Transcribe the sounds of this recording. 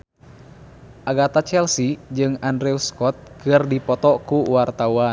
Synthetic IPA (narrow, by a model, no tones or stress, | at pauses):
ʔaɡat̪at͡ʃɛlsid͡ʒɨŋandɾɛuskɔt̪̚kɨrdipɔt̪ɔkuwart̪auan